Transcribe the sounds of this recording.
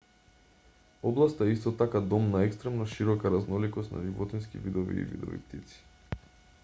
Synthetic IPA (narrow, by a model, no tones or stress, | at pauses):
ɔblˠast̪aɛist̪ɔt̪akad̪ɔmnaɛkst̪ɾɛmnɔʃiɾɔkaɾaznɔlikɔst̪na̰ʒivɔt̪ɛnskivid̪ɔvḭːvḭd̪ɔ̰vḭt̪it̪si̥